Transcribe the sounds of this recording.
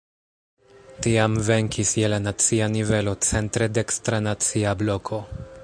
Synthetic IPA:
tiamve̞ŋkʰisjelanat͡sianive̞lo̞t͡se̞ntɾe̞dekstɾanat͡siablo̞kʰo̞

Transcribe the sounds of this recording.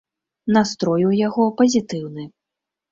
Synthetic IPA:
nast̪ɾɔjujaɣɔpɐzʲit̪ɨwnɨ

